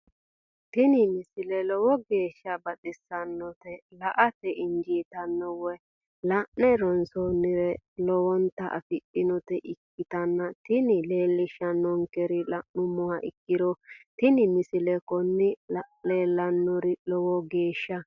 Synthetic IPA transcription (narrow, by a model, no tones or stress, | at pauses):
t̪ɪnɪmɪsɪlɛlɔwɔɡe̞ːʃːɐbɐtʼɪsːɐnːɔt̪ɛlɐʔɐtɛɪnd͡ʒiːt̪ɐnːɔwɛ | lɐʔnɛɾɔnsɔnːɪɾɛlɔwɔnt̪ːɐʔɐ̰fɪʔɪnɔt̪ɛʔɪkːɪt̪ɐnːɐt̪ɪnɪleːlːɪʃːɐnːɔŋkɛɾɪlɐʔnʊmɔwaʔɪ̰kːɪd̪ɔt̪ɪnɪmɪsɪlɛkɔnːɪleːlːɐnːɔɾɪlɔwɔɡeːʃːɐ